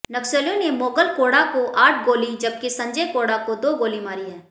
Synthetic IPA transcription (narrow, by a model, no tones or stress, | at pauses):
nɐksəlijõnemoːkəlkoːɽakoʔaːʈʰɡoːlid͡ʒɐb̚kisɐ̃ɲd͡ʒekoːɽakod̪oːɡoːlimaːɾiɦɛ̃ː